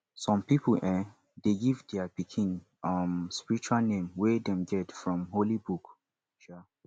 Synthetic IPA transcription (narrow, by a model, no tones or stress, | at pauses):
sɔ̃mpipəlʔɛ̃ | deɡivdɛapikʰĩn | amspiɹit͡ʃualnẽmwedɛ̃mɡɛtfɹɔ̃mɦolibuk | ʃa